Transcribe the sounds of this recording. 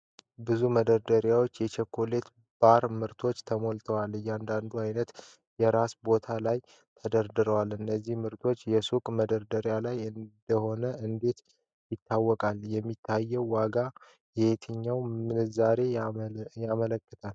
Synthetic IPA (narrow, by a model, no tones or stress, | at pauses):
bɨzuməd̪əɾd̪əɾjawo̞t͡ʃːjɛt͡ʃʰɛkʰːole̞t̪ | b̥aɾmɨɾt̪ʰo̞t͡ʃːt̪ʰəmo̞lt̪ʰəwalɨjand̪and̪uajnət̪ | jɛɾasbo̞t̪ʰalaj | t̪ʰəd̪əɾd̪ɨɾəwalɨnːəzːihmɨɾt̪ʰo̞t͡ʃːjɛsukʼməd̪əɾd̪əɾjalajɨnd̪̥əho̞nəʔɨnd̪e̞t̪ | jɪt̪ːawːɔkʼaljɛmːit̪ʰːajːɛwːaɡa | jɛet̪ʰɨɲːawmɨnɨzaɾe̞jamələkːət̪ʰal